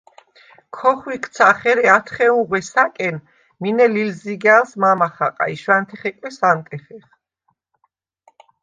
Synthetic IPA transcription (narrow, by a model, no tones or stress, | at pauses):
kʰɔχwikʰʼt̪sʰaχɛɾɛat̪ʰχɛuʁwɛsakʼɛn | minɛlilziɡalsmamaχaqʼa̰iʃwant̪ʰɛχɛkʼwɛsant̪ʼɛχɛχ